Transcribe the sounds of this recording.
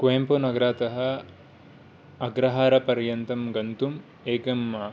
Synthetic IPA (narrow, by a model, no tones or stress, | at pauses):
kʋeːmponɐɡɐɾaːt̪ɐɦɐ̆ | ɐɡɾɐɦaːɾɐpɐɾjɐnt̪ɐmɡɐnt̪um | eːɡɐmːaː